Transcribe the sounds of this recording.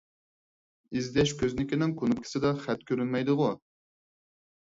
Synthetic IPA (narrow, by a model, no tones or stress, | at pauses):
izɡ̪ʲɛʃkʲʰøznɪkʲinɪŋkʰonup̚kʲʰɪ̥sɪd̪ɑχɛt̪̚kʲʰøɾynmɛjd̪ɨʁʊ